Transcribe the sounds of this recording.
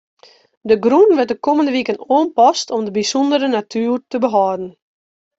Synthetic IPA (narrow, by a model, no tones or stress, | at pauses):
dəɡrunʋət̚dəkoməndəʋikənoənpɔstɔmdəbisɔndəɾənatʰyːrtəbəɦɔːdn̩